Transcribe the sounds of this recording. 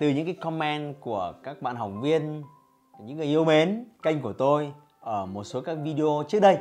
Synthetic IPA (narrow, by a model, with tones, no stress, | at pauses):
t̪ɨ˨˩ɲɨ̰˧˥ŋkaː˨˦jkɔ˧mɛ˧nku˧˩əkaː˦˥k̚ɓa̰˧˨nɦa˨˩wŋ͡mvi˧ən | ɲɨ̰˧˥ŋːɨ˨˩jʔi˧əwme˨˦nka˧jŋ̟ku˧˩ət̪o˧j | ʔəː˧˩mo˨˩t̚so˨˦kaː˦˥k̚vi˧ɗi˧o˧t͡ɕɨ˦˥ək̚ɗə˧j